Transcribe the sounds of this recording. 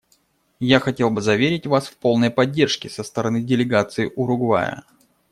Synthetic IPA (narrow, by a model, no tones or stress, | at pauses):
jaxɐtʲe̞lˠbɨzɐvʲeɾʲɪtʲvasfpo̞lˠnəjpɐdʲːe̞rʂkʲɪsəst̪əɾɐnɨdʲɪlʲɪɡat̪sɨɪʔʊɾʊɡva̰jə̰